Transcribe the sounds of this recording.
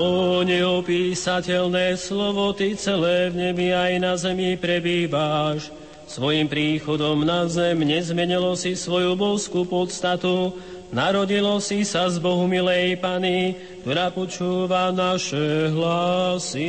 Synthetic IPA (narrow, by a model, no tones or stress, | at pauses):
ɔɲɛɔpiːsacɛʎnɛːslɔʋɔt̪it͡sɛlɛːvɲɛbiajnazɛmipɾɛbiːʋaʃ | sʋɔjimpɾiːxɔd̪ɔmnazɛmɲɛzmɛɲilɔsisʋɔjubɔʊskupɔt̪st̪at̪u | naɾɔɟilɔsisazbɔɦumilɛjpani | k̚t̪ɔɾaːpɔt͡ʃuːʋanaʃɛɦlasi